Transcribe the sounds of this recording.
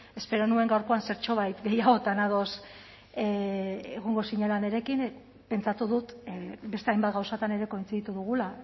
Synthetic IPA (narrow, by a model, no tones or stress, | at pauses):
e̞spe̞ɾo̞nue̞ŋɡawɾko̞anse̞ɾt͡ʃo̞β̞ajt̪ɡe̞jaɣ̞o̞t̪anað̞o̞s | eeɣ̞o̞ŋɡo̞siɲelane̞ɾe̞kin | pe̞nt͡sat̪uðut̪be̞st̪eajmbat̪ɣawsat̪ane̞ɾe̞ko̞jnt͡siɣit̪uðuɣ̞ula